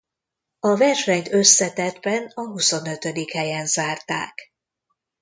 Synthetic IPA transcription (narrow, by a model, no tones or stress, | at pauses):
ɒvɛrʃɛɲt̪ø̞sːɛt̪ɛd̪bɛnɒɦuso̞nøt̪ød̪ikhɛjɛnzaːrt̪a̰ːk